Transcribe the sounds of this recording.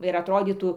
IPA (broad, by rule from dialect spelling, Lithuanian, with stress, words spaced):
ˈʋɐ ɪr ɐtˈroːdʲiːtuː